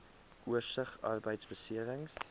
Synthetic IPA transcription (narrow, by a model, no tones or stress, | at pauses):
ʔuərsəχɑ̰rbəjtsbəsiəɾəŋs